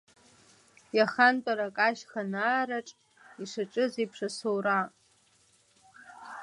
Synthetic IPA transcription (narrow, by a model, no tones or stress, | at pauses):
jaχantʼaɾakʼaʃχanaːɾaʈ͡ʂʼ | iʂaʈ͡ʂʼɨzipʰʂasowra